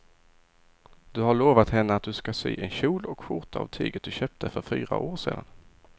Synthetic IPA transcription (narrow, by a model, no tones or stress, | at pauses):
d̪̥ɵhaɭoːvat̪hɛnːəat̪̚d̪ɵskasy̰ːʔɛnɕuːlɔkɧʊɾʈ̪ʰaa̰vt̪ʰy̰ːɡət̪̚d̪ɵɕœːp̚t̪ʰəfœɾfy̰ːɾa̰ʔoːʂḛːd̪an